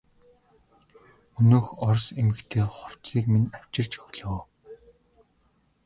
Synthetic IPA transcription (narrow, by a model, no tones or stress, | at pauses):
ɵnoːxɔrsemɘ̆kt̪ʰeːχʊw̥t͡siːkminaw̥t͡ɕɪ̆r̥t͡ɕɔxɮoː